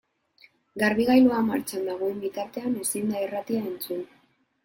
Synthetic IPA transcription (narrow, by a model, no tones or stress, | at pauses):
ɡaɾβiɣajloama̰ɾt͡ʃand̪aɣ̞oembit̪aɾt̪e̞ane̞sind̪airat̪iae̞nt͡sun